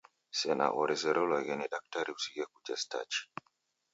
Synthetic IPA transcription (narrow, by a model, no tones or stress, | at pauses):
sɛna̰ʔɔɾɛzɛɾɔlaɡeniɗak̚taɾiwsiɡekud͡ʒɛsta̰t͡ʃi̥